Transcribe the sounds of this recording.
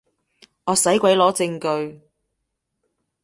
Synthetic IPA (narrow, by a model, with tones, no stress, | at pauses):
ŋɔː˨˧sɐ˨˥jkʷɐ˨˥jlɔː˨˥t͡sɪ˧ŋkɵ˧ɥ